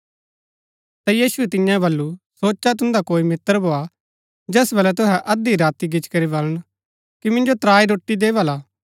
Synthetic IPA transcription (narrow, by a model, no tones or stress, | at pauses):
t̪ajiːsuɛt̪ɪ̃jãbɐlːusoːt͡ʃat̪̬ʊ̃nd̪akoːimɪt̪əɾbʱoːa | d͡ʒɛːsbɐlɛt̪ʊɦɛʔɐd̪iɾaːt̪iɡɪt͡ʃkɐɾibɐləɽ̃ | kimɪ̃nd͡ʒot̪ɾaːiɾoːʈːid̪eːʋalaː